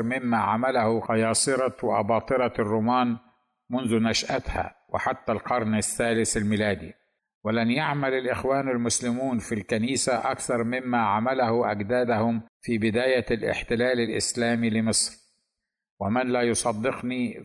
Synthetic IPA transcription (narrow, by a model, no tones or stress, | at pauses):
ɾˤmɪmːaʕamalahʊqɑjɑːsˤɨɾˤɑwɪʔɑ̰bɑːt̪ˤɨɾɑrˤːʊmaːn | mʊnðʊnaʃʔat̪ha̰wɪ̰ħat̪ːalqɑɾˤnasːaːlɪθalmɪlaːd̪ḭ | wɪlanjaʕmalalʔɪxwaːnalmʊslɪmuːnfilkaniːsaʔakθɑɾˤmɪmːaʕamalahʊʔaɡd̪aːd̪ahʊmfibɪd̪aːjalʔɪ̰ħt̪ɪlaːlalʔɪ̰slaːmilɪmɨsˤɾ | wɪmɪnlaːjʊsˤɑd̪ːɪqni